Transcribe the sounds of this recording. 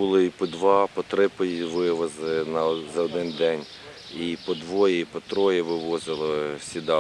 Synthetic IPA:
ʊlˠɪipɔd̪ʋɑpɔt̪ɾɪpɔjiʋɪʋɔzɪnɐzɐɔd̪ɪnd̪ɛnʲ | ipɔd̪ʋɔjɛipɔt̪ɾɔjɛʋɪʋɔzɪlˠɔsʲid̪ɑ

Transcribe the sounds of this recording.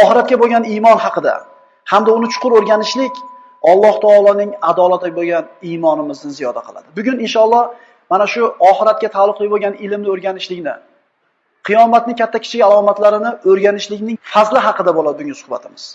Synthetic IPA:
ɒχɨɾat̪̚kʲaboɡʲanimɒnhɑqʰɨd̪a̰ | hamd̪aʊnɪt͡ʃʰʊ̥qʰʊɾɵɾɡʲanɪʃlɪkʲ | ɒlˠːɒht̪ʰɑːlˠɒnɪŋad̪ɒlˠat̪ʰɪboɡʲanimɒnɪmɪznɪzijɒd̪a̰qʰɨlˠa̰d̪ɪbʊɡʲʊnɪnʃɒlˠːɒh | manaʃʊɒχɨɾat̪̚kʲat̪ʰalˠːʊqlˠɪboɡʲanɪlɪmnɪɵɾɡʲanɪʃlɪkʲnɪ̰ | qʰɨjɒmat̪̚nɪŋkʲʰat̪ʰːakʲʰɪ̥t͡ʃʰɪɡʲalˠɒmat̪laɾɪnɪɵɾɡʲanɪʃlɪkʲnɪŋfazlɪɦɑqɨd̪abolˠad̪ɪbʊŋʲasʊ̥hba̰t̪ʰɪmɪz̥

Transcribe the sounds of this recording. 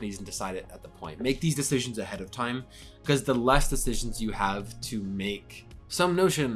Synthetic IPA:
niz̃n̩dɨsaɪɾɨɾɨt̪̚ðəpʰɔ̃ɪ̃nmeɪk̚ðizdɨsɪʒɨ̃n̩zɨhɛɾʌv̥tʰãɪ̃m | kʰʌzðəlɛsd̥ɨsɪʒn̩zjɨəv̥tʰɨmeɪksʌ̃mnoʊʃɨ̃n

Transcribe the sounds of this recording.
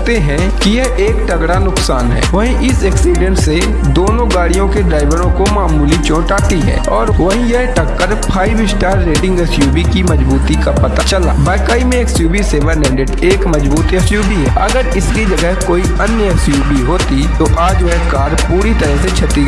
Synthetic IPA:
t̪eɦɛ̃ | kijɛʔeːkʈɐɡɽanʊksaːnɦɛ̰ːʋɐɦĩʔɪsɛːksiːɖə̃ɳse | d̪oːnõɡaːɽijõkeɖɾaːɪʋəɾõkomaːmuːlit͡ʃõːʈaːʈiɦɛ̰̃ːɔːɾʋɐɦĩjɛɦʈəkːəɾpʰaːibɪsʈaːɾːeːʈɪ̃ŋɡəsjuːbikimɐd͡ʒbuːt̪ikapɐt̪at͡ʃɐla̰ːbɛːkaːimẽeːksjuːbiseʋənɛ̃ːɳɖeɖeːkmɐd͡ʒbuːt̪ɐsjuːbiɦɛːɐɡəɾɪskid͡ʒɐɡəɦkoːi | ənjəɐsjuːbiɦoːt̪it̪oʔaːd͡ʒʋɐɦkaːɾpuːɾit̪əɾəɦset͡ʃʰɐt̪i

